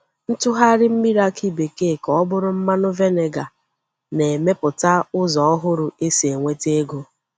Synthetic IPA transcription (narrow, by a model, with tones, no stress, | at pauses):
n̩˦tʊ˦ɦa˦ɾɪ˦m̩˦mi˦ɾa˦ki˦be˨ke˦˨kɔ˦bʊ˦ɾʊ˦m̩˦ma˦nʊ˦ve˦ne˨ɡa˨ | ne˨e˨me˦pʊ˨ta˦ʊ˦zɔ˨ɔ˦ɦʊ˦ɾʊ˨e˦si˨e˨ŋʷe˦te˦ɡo˦